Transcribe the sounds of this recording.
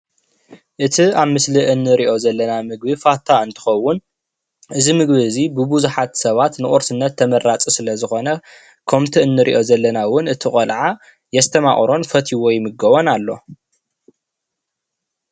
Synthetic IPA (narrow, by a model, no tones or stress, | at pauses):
ʔɨt̪ʰiaβmɨsliʔɨnːɨɾiʔo̞zɐlːɐnamɨɡ̚bifat̪ʰaɨnt̪ʰɨ̥xɐwːʊn | ʔɨzimɨɡbiɨzibɨbuzuħat̪sɐβat̪nɨʔʼoɾsɨnːɐt̪ʰːɐmɐrːat͡sʼisɨlɐzɨxo̞nɐ | kʰɐmt̪ʰiɨnːɨɾʔḭʔo̞zɐlːɐnawʊnɨt̪ʰiχʼɐlʕa | jɛst̪ʰɐma̰ʔʼχʼɾo̞nfɐt̪ʰiwɔjmɨɡɐβonalːo̞̰